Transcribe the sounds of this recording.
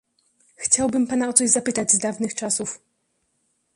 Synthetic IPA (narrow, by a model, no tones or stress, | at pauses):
xt͡ɕawbɘmpanaɔt̪sɔʑʲzapɘt̪ad͡ʑzd̪avnɘxt͡ʂasuf